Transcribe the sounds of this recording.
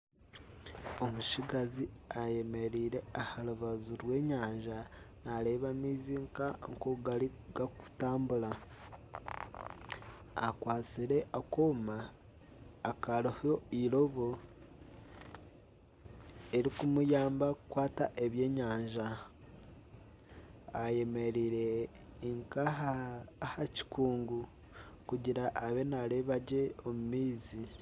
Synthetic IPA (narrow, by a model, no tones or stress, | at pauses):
omuʃiɡaziaje̞me̞ɾiːɾe̞ahaluβazuɾwe̞ːɲaːɲʒa | naleːβamiziːŋkaŋkuɡaliɡakutaːmbula | a̰kwaːt͡siɾe̞ʔakomaː | kaloho̞ilo̞βo | e̞ɾikumujaːmbakukwaːtaʔe̞βje̞ːɲaːɲʒa | aje̞me̞ɾiɾe̞ː | ŋkahahaci̥kuːŋɡu | kuɟiɾaʔːβe̞naleβaɟe̞omumiːzi